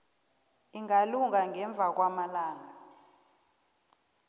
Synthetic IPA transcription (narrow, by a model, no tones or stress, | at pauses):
iŋaluŋaŋɡɛɱb̪vʱak̬wamalaːŋa